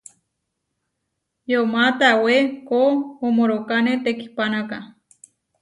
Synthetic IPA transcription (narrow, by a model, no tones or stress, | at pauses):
jomat̪awekoomoɾokanet̪eki̥panaka